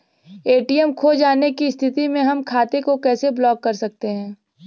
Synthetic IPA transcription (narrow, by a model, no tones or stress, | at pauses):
eːʈijɛmkʰoːd͡ʒaːnekiɪst̪ʰɪt̪imẽɦɐmkʰaːt̪ekokɛːseblɔːɡːɐɾsɐk̚t̪eɦɛ̃ː